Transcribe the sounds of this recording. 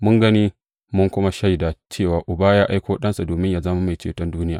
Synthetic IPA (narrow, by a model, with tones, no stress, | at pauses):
mʊ˦ŋɡɐ˦niː˦ | mʊ˦ŋkʷʊ˦ma˦ʃa˦jdaː˨t͡ʃeː˦˨waː˨ʔʊ˨baː˦jaː˦ʔa˦jkʷoː˦ɗɐ˦nsa˨doː˨mɪ˦ɲjaː˨zɐ˦ma˦ma˨jt͡ʃḛː˨tɔ˦nduː˦nɪ˦ja̰ː˨